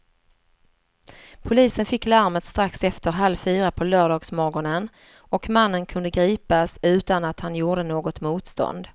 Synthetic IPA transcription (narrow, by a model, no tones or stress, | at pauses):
pʰʊliːsənfɪkːlaɾmət̪st̪ɾaksɛft̪əɾɦalvfyːɾapʰɔlœːɖɑːɡsmɔɡɔɳən | ɔkmanːənkʰɵnd̪əɡɾiːpasʉ̟ːt̪anat̪hanjuːɖənoːɡɔt̪muːt̪st̪ɔ̰nd̪